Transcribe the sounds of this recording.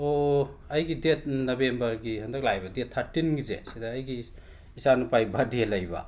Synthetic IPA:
oɐjɡidet̚nobembɐɾɡihɐndɐk̚lajbɐdet̪ʰːɐɾtinɡizḛsidɐːjɡi | isanupajbadʱelɐjbɐ̰

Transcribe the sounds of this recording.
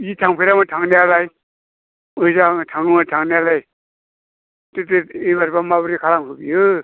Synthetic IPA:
jitʰaŋpʰejɾamatʰaŋnealaj | ɯzaŋtʰaŋnɯmatʰaŋnealaj | teteɯjbaɾbamabɯɾikʰalaŋɦɯbijɯ

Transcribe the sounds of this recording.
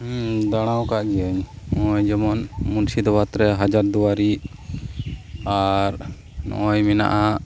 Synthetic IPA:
d̪aɽ̃awkaʔɡɛəɲmɔjd͡ʒɔmɔnmunsid̪ɔbat̪ɾɛɦad͡ʒaɾd̪uwaɾi | aɾ | nɔ̰ʔɔjmɛna̰ʔaʔ

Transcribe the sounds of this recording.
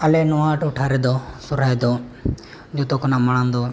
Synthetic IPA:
əleːnoãːʈʊʈʰaːɾeːd̪oːsʊɾaːeːd̪oː | d͡ʒoːt̪oːknãːmənãːnd̪oː

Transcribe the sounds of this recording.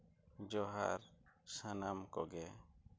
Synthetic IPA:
d͡ʒɔɦa̰ɾsənamkɔɡɛ

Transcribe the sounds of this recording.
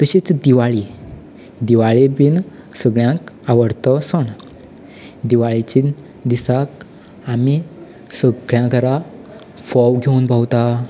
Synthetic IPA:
t̪əɕit͡sd̪iʋaɭi | d̪iʋaɭebin | səɡɭjãkaʋəɽt̪ɔsəɳ̃ | d̪iʋaɭit͡ɕi | d̪isak | ami | səɡɭjãkəɾa | fɔwɡʱeunbʱawt̪a

